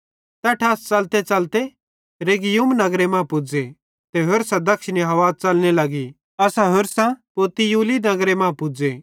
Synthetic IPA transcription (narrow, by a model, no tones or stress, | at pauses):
t̪ɛːʈʰast͡sɐlt̪et͡sɐlt̪e | ɾeːɡijumnɐɡɾemãːpʊd͡ze | t̪eɦʊɾsãd̪ɐkʃɪniɦɐʋaːt͡sɐlnelɐɡi | ɐsãɦʊɾsãpoːt̪ijuːlinɐɡɾemãːpʊd͡ze